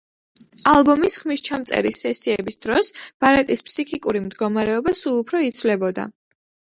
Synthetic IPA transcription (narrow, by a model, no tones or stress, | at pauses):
alˠbɔmisχmist͡ʃʰamt̪sʼɛ̰ɾisɛsiɛbisd̪̥ɾɔsb̥aɾɛt̪ʼispʰsikʰikʼuɾimd̪ɡɔmaɾɛɔbasulˠupʰɾɔit̪sʰvlɛbɔd̪a̰